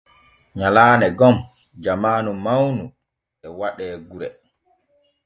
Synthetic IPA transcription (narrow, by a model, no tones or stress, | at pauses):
ɲalaːnɛɡɔm | d͡ʒamaːnumawnu | ɛwaɗɛːɡuɾɛ